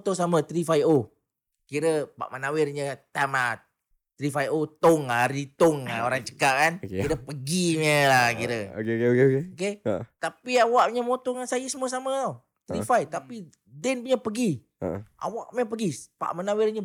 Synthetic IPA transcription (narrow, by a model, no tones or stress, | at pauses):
t̪osamət̪ɾifajo | kiɾəpa̰ʔmənawɪrɲət̪ama | t̪ɾifajot̪oŋaɾit̪oŋaoɾaŋt͡ʃə̥kaʔkankiɾəpəɡiməlahkiɾəo̰keekekeoket̪apiawaʔɲəmot̪oŋansajəsəmuəs̬aməo | t̪əɾifajt̪api | dɛnpuɲəpəɡḭ | ʔa̰wa̰ʔməpəɡipa̰ʔmənawɪrɲə